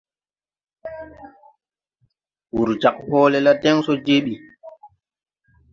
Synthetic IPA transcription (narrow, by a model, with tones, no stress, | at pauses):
wu˨ɾd͡ʒa˨k̚hɔː˦lɛla˦tɛ˦ŋsɔ˦d͡ʒe˦ɓi˨